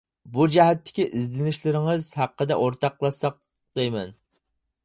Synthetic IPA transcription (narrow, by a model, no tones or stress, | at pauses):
bud͡ʒɛɦɛt̪ʰːɪ̥kʲiʔizlɪnɪʃlɪɾɪŋɨzhæqːəd̪ɛ̰ʔoɾt̪ʰɑqlˠɑsɑq̚ | d̪ejmɛ̰n